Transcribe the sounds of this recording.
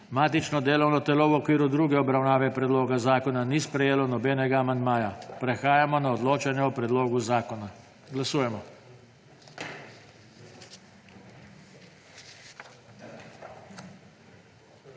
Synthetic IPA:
maːt̪it͡ʃnɔd̪eːlɔwnɔt̪ɛlɔwɔkʋiːɾud̪ɾuːɡɛɔbɾawnaːʋɛpɾɛd̪loːɡazaːkɔnanispɾɛjeːlɔnɔbɛːnɛɡaːmand̪maːjapɾɛxaːjamɔnaɔd̪loːt͡ʃanjɛɔpɾɛd̪loːɡuzaːkɔna | ɡlasuːjɛmɔ

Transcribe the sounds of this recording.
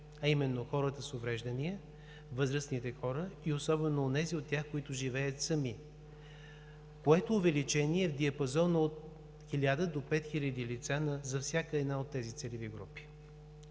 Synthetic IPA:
ɐimɛnːoxɔɾət̪əsovɾɛʒd̪əniə | vɤzɾəsnit̪ɛxɔɾəiosɔbɛnoːnɛziot̪ːʲjaxkoit̪ʊʒivɛjət̪sɐmi | koɛt̪oːvɛlit͡ʃɛniɛvd̪iɐpɐzɔnəot̪̚ | xilʲad̪əd̪opɛt̪xilʲəd̪ilit̪sanɐzɐfsʲjakəɛd̪naot̪ːɛzit̪sɛliviɡɾṵpi̥

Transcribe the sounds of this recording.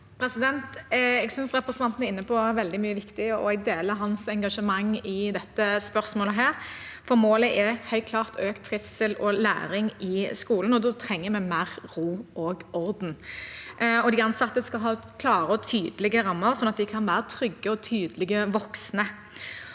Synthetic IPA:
pʰɾɛsɪd̪ɛnt̪ɛɡsʏnsʁɛpɾɛsnʰɑnt̪ənæɾɪnːəpʰɔʋɛld̪ɪmyːəʋɪkt̪ɪɔ̰ɛɡ̚d̪eːləɾɦɑnsɛŋɡɑʂəmɑŋːɪd̪ɛt̪ːəspœɾsmoːləɦæːɾfɔɾmoːləʔɛhœʏt̪̚kʰlɑːʁt̪ʰøːkt̪ʰːɾɪfsɪlɔlæ̰ːɾɪŋɪskuːlən̩ɔd̪ɔt̪ʰʁɛŋːəmɛmæːɾʁuːʔoːɡɔɾd̪n̩ | ɔd̪ɪɑnsɑt̪ːəskɑlɦɑːkʰlɑːɾəɔt̪ʰyːd̪əlɪɡəɾɑmːəɾsɔnɑt̪̚d̪ɪkʰɑnʋæːɾət̪ʰɾʏɡːəɔt̪ʰyːd̪lɪɡəʋɔksnə

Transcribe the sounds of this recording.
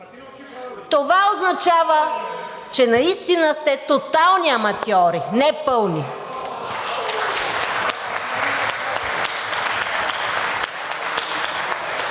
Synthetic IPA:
t̪ovaoznɐt͡ʃavət͡ʃɛnɐist̪inəst̪ɛt̪ot̪alˠniɐmɐt̪ɔɾinɛpɤlˠni

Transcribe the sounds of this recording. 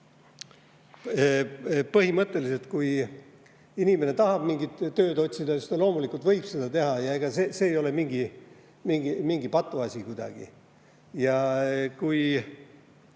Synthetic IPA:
pɤɦimɤt̪ˑːe̞lise̞lt̪kuj | inime̞ne̞t̪ɑɦɑb̥miŋɡit̪ːø̞ːd̪o̞t̪ʲsid̪̥ɑost̪elo̞ːmulikult̪vɤjb̥se̞d̪̥ɑt̪e̞ɦɑjɑe̞ɡ̥ɑsese̞ːjo̞le̞miŋɡi | miŋɡimiŋɡipɑt̪ːˑuɑsʲikujd̪̥ɑ̰ɡ̥ḭ | jɑkuj

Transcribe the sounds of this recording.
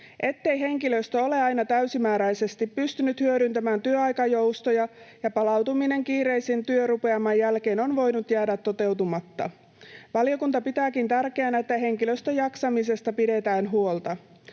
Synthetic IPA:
ʔe̞t̪ːe̞jɦe̞ŋkilø̞st̪øo̞le̞ɑjnɑt̪æɥsimæːɾæjse̞st̪ipːyst̪ynyt̪hyøɾynt̪æmæːnt̪yøɑjkɑjo̞wst̪o̞jɑjɑpɑlɑwt̪umine̞ŋkiːɾe̞jsint̪yøɾupe̞ɑmɑjjælke̞ːno̞nʋo̞jnut̪jæːdæt̪ːo̞t̪e̞wt̪umɑt̪ːɑ̰ | ʋɑlio̞kunt̪ɑpit̪æːkint̪ærke̞ænæet̪ːæɦe̞ŋkiløst̪øjɑksɑmis̬e̞st̪ɑpide̞t̪æːnɦuo̞lt̪ɑ

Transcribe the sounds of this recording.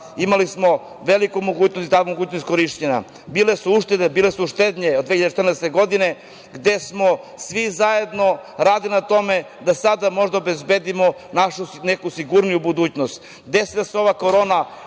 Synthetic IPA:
imalismo̞ | ʋelikumo̞ɡuːt͡ɕnost̪it̪aumoɡuːt͡ɕnost̪koɾiʃt͡ɕena̰ | bilesuuʃt̪ed̪ebiːlesuuʃt̪ed̪ɲeod̪ʋeçijad̪et͡ʃet̪ɾnɛest̪eɡo̞d̪ine | ɡd̪e̞smo̞ | sʋizaje̞d̪no̞ɾaːd̪ilinat̪o̞me̞ | d̪asad̪amo̞ʒd̪aobezbed̪imo | naʃunekusiɡuɾnijubud̪uːt͡ɕnost̪ | d̪esed̪aseo̞ʋako̞ɾo̞na

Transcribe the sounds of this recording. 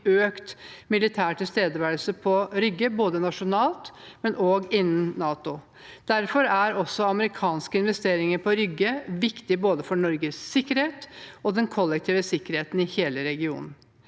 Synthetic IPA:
øːkt̪mɪlɪt̪ʰæːʈʰɪlst̪eːd̪əʋæɾl̩səpʰɔɾʏɡːəboːd̪ənɑʂʊnɑːlt̪mɛnoːɡɪnːən̩ːɑːt̪ʊ | d̪̥æɾfɔɾæɾɔsːɔɑməɾɪkʰɑːnskəɪnʋɛst̪eːɾɪŋəɾpʰɔɾʏɡːəʋɪkt̪ɪboːd̪əfɔɳɔɾɡəsːɪkːəɾheːt̪ɔd̪ɛnkʰɔlːɛkt̪ʰiːʋəsɪkːəɾheːt̪n̩ɪheːləɾɛɡɪṵːnn̩

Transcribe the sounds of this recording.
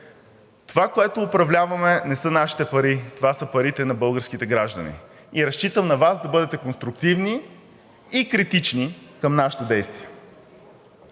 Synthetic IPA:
t̪ovakoɛt̪oːpɾɐvlʲavɐmɛnɛsɤnaʃi̥t̪ɛpɐɾit̪ovasɤpɐɾit̪ɛnɐbɤlˠɡəɾsk̟it̪ɛɡɾaʒd̪ɐnḭ | iɾɐʃt͡ʃit̪əmnɐvasd̪ɐbɤd̪ɛt̪ɛkonst̪ɾuk̚t̪ivniː | kɾit̪it͡ʃnikəmnaʃə̥t̪od̪ɛjst̪viɛ

